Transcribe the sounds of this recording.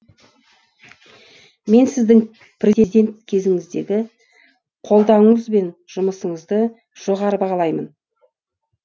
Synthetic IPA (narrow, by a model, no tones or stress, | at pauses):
me̞nsɪzd̪ɪŋ | pʰrʲed̪ʲe̞nt̪̚kʲʰe̞zɪŋɪzd̪e̞ɡʲɪ | qʰo̞lˠd̪ɑɴəzbe̞nʒ̥ʊməsəɴəzd̪ə | ʒ̥o̞ʁɑɾəbɑʁɑlˠɑjmən